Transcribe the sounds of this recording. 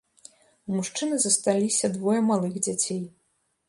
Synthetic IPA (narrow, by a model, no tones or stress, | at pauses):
umuʂt͡ʂɨnɨzɐst̪alʲisʲɐd̪vɔjɐmalˠɨɣd͡zʲat͡sʲej